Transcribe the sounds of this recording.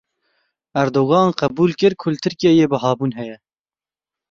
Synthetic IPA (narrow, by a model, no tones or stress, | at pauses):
æɾd̪oːɣɑːnqɛbuːlkɨɾkʰʊlt̪ʰɨɾkijeːjeːbəɦɑːbuːnɦɛjɛ